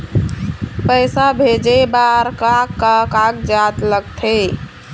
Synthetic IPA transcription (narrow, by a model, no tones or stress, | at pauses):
pəjsabʱed͡ʒebaɾkakːakakd͡ʒat̪ləɡt̪ʰe